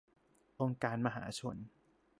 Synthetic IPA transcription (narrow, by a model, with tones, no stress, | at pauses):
ʔo˧ŋkaː˧nma˧ɦa̰ː˩˦t͡ɕʰo̰˧n